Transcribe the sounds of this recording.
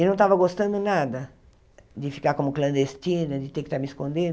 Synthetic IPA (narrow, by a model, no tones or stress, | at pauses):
ɪnɐ̃w̃t̪avɐɡost̪ɐ̃nd̪ʊnad̪ɐ | d̪ɪfi̥kakomʊklɐ̃nd̪est̪inɐd̪ɪt̪ekɪ̥t̪aɾmɪiskõnd̪ẽn